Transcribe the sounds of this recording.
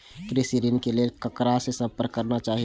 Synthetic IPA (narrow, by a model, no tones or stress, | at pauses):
kɾesiɾinkelelkəkɾasesəpəɾkːəɾnat͡ʃaːɦi